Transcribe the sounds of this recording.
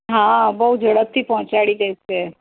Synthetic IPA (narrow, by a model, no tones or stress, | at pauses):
ɦãbəɦud͡ʒʱəɽəp̚t̪ʰipɐɦʊ̃t͡ʃaːɽiɡəise